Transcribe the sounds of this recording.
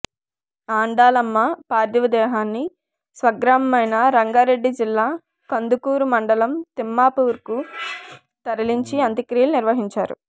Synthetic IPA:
aːɳɖaːlɐmːɐpaːɾd̪jɐʋɐd̪ɛːɦaːnːi | sʋɐɡɾamɐmɐjnɐɾɐŋɡaːɾe̞ɖːid͡ʒilːaː | kɐnd̪ukuːɾumɐɳɖɐlɐmt̪imːaːpuːɾku | t̪ɐɾɐliɲt͡ʃiɐnt̪ikɾiːluniɾʋɐɦiɲt͡ʃaːɾṵ

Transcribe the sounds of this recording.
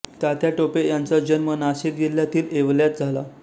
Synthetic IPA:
t̪jat̪jaʈopejant͡sad͡ʑənmənaɕit̪̚ɡeljat̪iːleʋljat̪̚d͡zʱala

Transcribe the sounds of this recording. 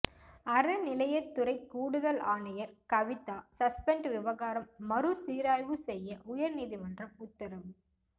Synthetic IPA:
ɐɾɐnɪlɐjɐt̪ːʊɾɐɪkːuːɽɯðɐlaːnɐjɐɾkɐʋɪt̪ːaːsɐspɛɳɖʋɪʋɐɣaːɾɐmːɐɾɯsiːɾaːjʋɯsɛjːɐʔʊjɐɾniːðimɐndrɐmʊt̪ːɐɾɐʋɯ

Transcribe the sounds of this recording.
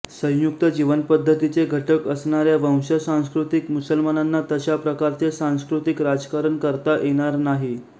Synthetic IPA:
sə̃jjuk̚t̪əd͡ʑiʋənpəd̪ʱːət̪it͡seɡʱəʈəkəsɳ̃aɾjaʋə̃w̃ɕəsãw̃skɾut̪ikmusəlmananːat̪əɕapɾəkaɾt͡sesãw̃skɾut̪ikɾad͡zkaɾəɳkəɾt̪ajʔeɽ̃aɾnaɦi

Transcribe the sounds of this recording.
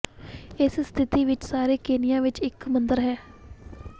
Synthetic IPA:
ɪsst̪ʰɪt̪iːʋɪt͡ʃsaːɾeːkeːnɪjãːʋɪt͡ʃɪkmənd̪əɾɦɛː

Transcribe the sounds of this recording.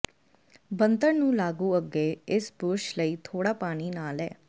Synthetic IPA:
bənt̪əɳnũːlaːɡũːəɡːeːɪsbʊɾʃləiːt̪ʰoːɽaːpaːɽ̃iːnaːlɛ̰ː

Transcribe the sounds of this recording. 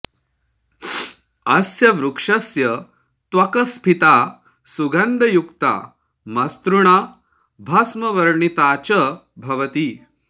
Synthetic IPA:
ɐsjɐʋɾukʂɐsjɐ | t̪ʋɐkɐspʰit̪aː | suɡɐnd̪ʱɐjukt̪a̰ː | mɐst̪ɾuɳ̃aː | bʱasmɐʋɐɾɳit̪aːt͡ɕɐ | bʱɐʋɐt̪i

